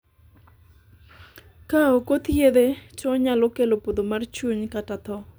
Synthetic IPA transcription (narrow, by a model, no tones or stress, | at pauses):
kaokot̪jed̪et͡ʃɔɲalokelopod̪omart͡ʃuɲkatat̪ɔ